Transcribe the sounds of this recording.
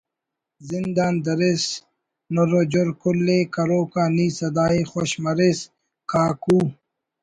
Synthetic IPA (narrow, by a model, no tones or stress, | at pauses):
zind̪aːnd̪ɐɾes | noɾod͡ʑoɾkulːeːkɐɾoːkaːniːsɐd̪aːixoɕmɐɾes | kʰaːkuː